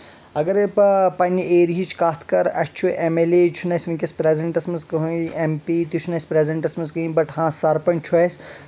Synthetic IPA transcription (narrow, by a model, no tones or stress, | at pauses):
ɐɡɐɾpɐpɐnʲieːɾɦit͡ʃʰkaːt̪ʰkɐɾɐt͡ʃʰuʔemelet͡ʃʰunɐsʲʋɐ̃nʲkʲɐspɾeːzɐɳʈɐsmɐzkɐɦuempit̪ut͡ʃʰunɐsʲpɾeːzɐɳʈɐsmɐzkɐĩbɐʈɦãːsɐɾpɐnʲt͡ʃʰuɐsʲ